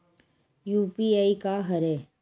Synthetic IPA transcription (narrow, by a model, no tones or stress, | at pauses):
juːpiaikaɦɐɾeː